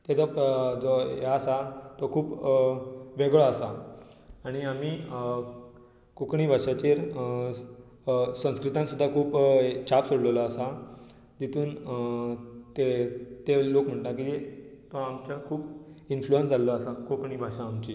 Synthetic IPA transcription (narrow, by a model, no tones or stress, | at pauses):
t̪jat͡sɔd͡zojaːsat̪ɔkʰuːp | ʋeɡɭaəsaː | ɽ̃iami | kokɳiːbʱaʂat͡ɕeɾ | sə̃w̃skɾit̪ãnsud̪ʱːakʰuːpt͡ɕapsoɽləʋlaːsa | d̪it̪ʰuːn | t̪et̪elokm̤əɳʈ̪akiet̪oamt͡ɕakʰuːpinfluənsd͡zalɔasakokɳiːbʱaʂãːmt͡ɕi